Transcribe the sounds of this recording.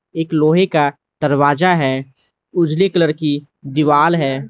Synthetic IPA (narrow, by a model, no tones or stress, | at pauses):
eːkloːɦeka | d̪̥əɾwaːd͡ʒaɦɛː | ʊd͡ʒlekələɾki | d̪ɪʋaːlɦɛː